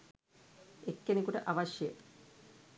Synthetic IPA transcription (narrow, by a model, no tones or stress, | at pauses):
ekːenekuʈəʔaʋaʃje